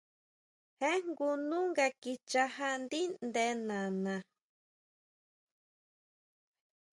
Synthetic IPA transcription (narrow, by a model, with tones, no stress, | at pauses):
hẽ˦ŋɡu˧nũ˦ŋɡa˧ki˧t͡ʃa˧ha˦nd̪i˦nd̪e˧˦nã˨nã˨